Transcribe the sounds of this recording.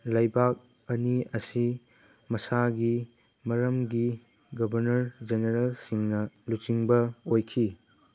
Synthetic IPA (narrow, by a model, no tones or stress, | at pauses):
lɐjbak̚ | ɐniɐsi | mɐsaɡi | mɐɾɐmɡi | ɡɐbʱɐɾnɐɾd͡ʒeneɾelsiŋnɐlut͡ʃiŋbɐojkʰi